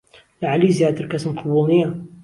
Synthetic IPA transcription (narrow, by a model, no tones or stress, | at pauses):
laʕalizijat̪ɾkasəmqʰʊbulnija